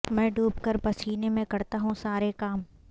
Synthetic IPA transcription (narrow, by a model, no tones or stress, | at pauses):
mɛ̃ːɖʱuːbkəɾpɐsiːnemẽkɐɾt̪aɦũsaːɾekaːm